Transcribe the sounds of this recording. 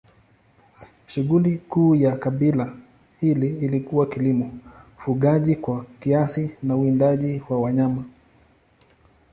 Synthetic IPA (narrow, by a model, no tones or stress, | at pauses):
ʃuɠulikuːjakaɓila | hiliːlikuwakilimɔfuɠaʄikwakiasinauindaʄiwawaɲama